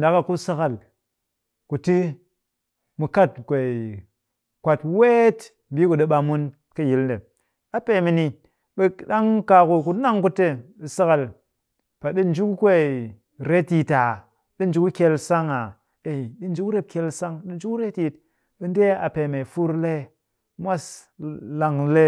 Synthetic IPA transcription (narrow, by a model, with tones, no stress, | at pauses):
n˨da˨˦ka˨ku˦sa˦ka˨l | ku˨ti˦ | mu˨ka˦˨tkʷe˨ | kʷa˨twe˦t | m̩˨bi˦ku˨ɗe˦ɓa˨mu˦n | kə˦ji˨˦lde˨ | a˨pe˨mi˨ni˧ | ɓe˦ɗa˦ŋka˨ku˨ku˨˦na˦ŋku˦te˦ɓe˨sa˦ka˨l | pa˨ɗi˦n̩˨d͡ʒu˦ku˦kʷe˦˨ | ɾe˦ti˨ta˨ | ɗi˦n̩˦d͡ʒu˦ku˦kʲe˧lsa˦ŋa˨ | e˨i˨ɗi˦n̩˦d͡ʒu˦kɾe˦p̚kʲe˧lsa˦ŋɗi˦n˦d͡ʒu˦kɾe˦ti˦t̚ | ɓe˦n˦de˦a˨pe˨me˨fu˦ɾle˦ | mʷa˦sla˨ŋle˦